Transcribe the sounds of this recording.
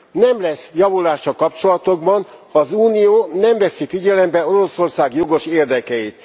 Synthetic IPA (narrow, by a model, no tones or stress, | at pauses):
nɛmlɛsjɒvulaːʃːɒlkɒpt͡ʃo̞lɒt̪o̞ɡbɒnɒzuːnijoːnɛmvɛsifiɟɛlɛmbɛo̞ɾo̞so̞rsaːɡjo̞ɡo̞ʃeːrd̪ɛkɛit̪